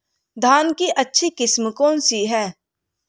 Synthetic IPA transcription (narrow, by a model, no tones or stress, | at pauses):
d̪ʱaːnkiʔɐtːʃʰikɪsmkoːnsiɦɛː